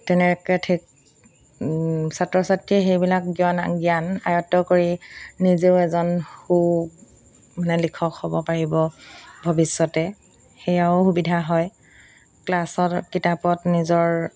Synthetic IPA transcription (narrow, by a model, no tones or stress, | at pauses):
tɛnɛɹɛkɛtʰik | satɹɔsatɹixejbilakɡiɔna̰ɡjana̰jɔtːɔkoɹinizeʊɛzɔnxu | manɛlikʰɔkhobɔpaɹibɔbʱɔbisːɔtɛ | xejaʊxubidʱaɦɔj | klasɔtkitapɔtnizɔɹ